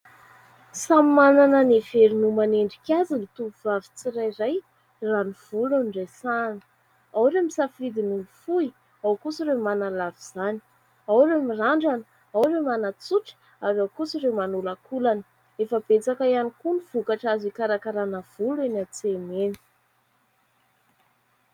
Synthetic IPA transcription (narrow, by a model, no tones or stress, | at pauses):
sammananəneveɾinumaneɳɖ͡ʐikʲazilit̪uvavi̥t͡sirajraj | raniv̥ulaniɖ͡ʐesanə̥ | awɾemisafid̪inifui | awkusiɾemanalaviz̥ani̥ | awɾemiraɳɖ͡ʐanə | awremanat͡suʈ͡ʂə̥ | aɾawkusirewmanulakulanə̥ | efəb̥et͡sakajanikuniv̥ukaʈ͡ʂazikaɾakaɾanav̥uluenat͡semeni̥